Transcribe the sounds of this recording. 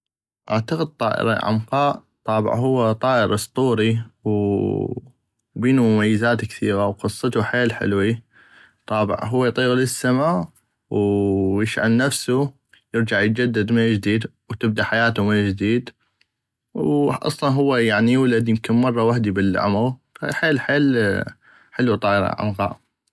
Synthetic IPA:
ʔa̰ʕt̪aqəd̪̚t̪ˤɑ̰ːʔɪ̰ɾɑ̰ʕa̰mqɑːʔt̪ˤɑːbɪ̰ʕɦʊwːat̪ˤɑːʔɪɾʔɑsˤt̪ˤuːɾiw | biːnumʊmajːazaːt̪kθiːɣawqɨsˤːɨt̪uħeːlħɪ̰lwi | t̪ˤɑːbɪ̰ʕɦʊwːajt̪ˤiːɣlɪsːamaːʔ | wjɪʃʕa̰lnafsu | jɪɾd͡ʒaʕjət̪̚d͡ʒad̪ːad̪mɪnd͡ʒd̪iːd̪ | wt̪ɪb̚d̪aħajaːt̪umɪnd͡ʒd̪iːd̪ | wʔɑ̰sˤlɑnɦʊwːajaʕnijuːlad̪jɪmkɪnmɑrˤːɑwaħd̪ibɪlʕa̰maɣ | ħeːlħeːl | ħɪlwit̪ˤɑːʔɾɑ̰ʔa̰nɣɑ̰ːʔ

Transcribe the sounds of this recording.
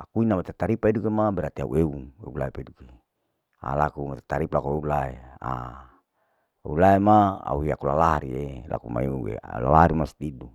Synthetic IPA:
akuinamat̪et̪aɾipaidukemabɛɾat̪ia̰ṵʔeuḛulaepeduke | a̰lakumat̪et̪aɾiplakueulaea̰ | ḛulaemaa̰uiakulalaɾielʔa̰kuma̰euḛa̰la̰laɾimast̪idu

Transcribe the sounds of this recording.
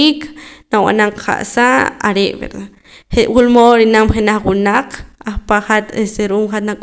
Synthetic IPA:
iknawa̰naɴqʰa̰ʔsaʔa̰ɾeʔbḛɾd̪a | χewulmoɾinamχenaχwunaqaχpaχat̪est̪eɾuʔumχat̪nakʼ

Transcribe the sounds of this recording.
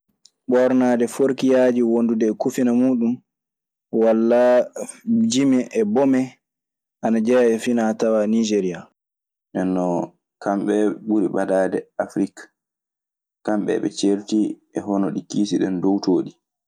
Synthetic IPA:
ɓɔɾnaːdɛfoɾkijad͡ʒiwondudɛːkufinamuːɗum | walːa | d͡ʒimɛʔɛbɔmɛ | ʔanad͡ʒɛjaɛfinatawanid͡ʒeɾija | ʔɛnɔ | kamɓɛɓuɾiɓadaːdɛafɾikḁ | kamɓɛ̰ɓɛ̰t͡ʃeɾti | ɛɦɔnɔɗikiːsiɗɛndowtoːɗi

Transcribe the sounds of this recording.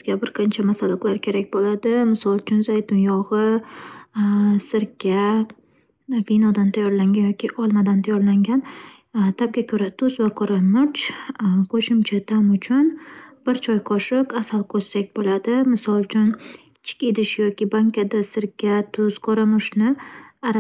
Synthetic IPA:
zɡʲabɪɾqʰɑnt͡ʃʰamasad̪ɨqlˠaɾkʲʰe̞ɾakʲbolad̪ɪmɪsɒlˠt͡ʃʰʊnzajt̪ʊnjɒʁɨ | sɪɾkʲʰːa | vinɒd̪ant̪ʰajɒɾlaŋɡʲanjɒkʲiʔɒlˠmad̪ant̪ʰajɒɾlaŋɡʲan | t̪ʰab̚ɡʲakʲʰɵɾat̪ʰʊzvaqʰɒɾamʊɾt͡ʃqʰoʃɪmt͡ʃʰat̪ʰamʊt͡ʃʰʊnb̥ɪɾt͡ʃʰɒjqʰɒʃɪqasalˠkʰo̥sakʲbolad̪ɪmɪsɒlˠt͡ʃʰʊn | t͡ʃʰɪ̥kʲed̪ɪʃjɒkʲɪbaŋkʰʲad̪asɪɾkʲːat̪ʰʊz̥qʰɒɾamʊʃnɪaɾ

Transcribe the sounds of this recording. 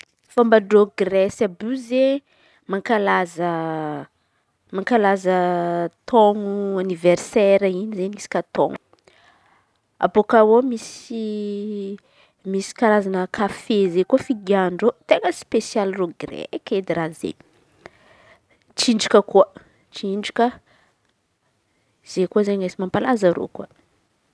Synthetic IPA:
fambaɖ͡ʐoɡrɛsabuze | maŋkalazə | maŋkalazət̪omuanivɛrsɛɾainizenisi̥kʲat̪o̰m | a̰bokawomisi | misi̥kaɾazanəkʰafezekuəfiɡiaɳɖ͡ʐot̪eŋɡəspesjalroɡrɛ̰ked̪iɾazḛ | ʈ͡ʂiɳɖ͡ʐikəkuə | t͡ʃiɳɖ͡ʐikə | z̥ekuəzeŋesimampalazaɾo̰kua

